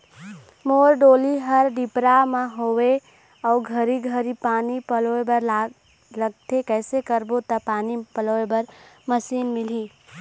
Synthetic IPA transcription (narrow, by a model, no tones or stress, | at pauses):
moɾɖoːliɦəɾɖipɾameɦowe | əuɡʱəɾiɡʱəɾipaːnipəloebəɾ | ləɡ̚t̪ʰekɛːsekəɾbot̪əpaːnipəlebəɾməsiːnmilɦi